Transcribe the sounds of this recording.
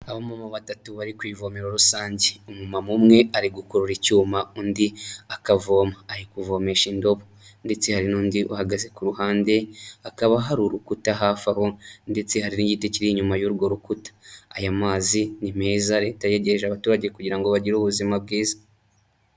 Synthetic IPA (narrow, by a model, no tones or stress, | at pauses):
aβomamaβatatuβaɾikwiːvo̞meɾo̞ɾusaːɲɟeumumamumŋe̞aɾiɡukuɾuɾicuːmaundiakavo̞ːmaːjikuvo̞me̞ʃindo̞βo | nde̞t͡se̞haɾinuːndiʔuhaɡaze̞kuɾuhaːnde̞akaβaɦaɾuɾukutaɦaːfaho̞nde̞t͡se̞haɾiniɟiteciɾiɲumajuɾɡo̞ɾukutḁːjamaːzinime̞ːzaɾe̞ːtajeɟeʒaβatuːɾaɟe̞kuɟiɾaŋɡo̞βaɟiɾuβuzimab̚ɡiːzḁ